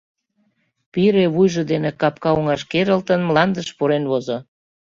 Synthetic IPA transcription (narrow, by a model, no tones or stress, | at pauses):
piɾeβujʒə̆d̪enekɑp̚kɑoŋɑʃkeɾəlt̪ənmlɑnd̪əʃpuɾenβozo